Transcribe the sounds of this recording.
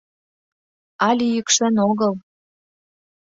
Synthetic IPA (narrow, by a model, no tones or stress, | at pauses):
ɑlʲijəkʃə̆noɣəl